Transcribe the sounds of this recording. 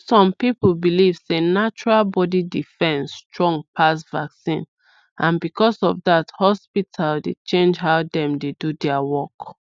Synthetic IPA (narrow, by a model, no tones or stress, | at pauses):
sɔ̃mpipl̩biliv̥senat͡ʃuɹalbɔdidifɛ̃nstɹɔ̃ŋpʰasvaksĩn | ʔãnbikʰɔsɔvðathɔspitʰaldet͡ʃẽnd͡ʒɦaʊdɛ̃mdedudɛawɔk